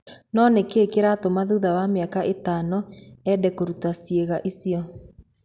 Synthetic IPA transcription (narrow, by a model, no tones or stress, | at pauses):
nɔnekekeɾatomaðuðawameakaʔetanɔɛdɛkoɾutasjeɣaʔisiɔ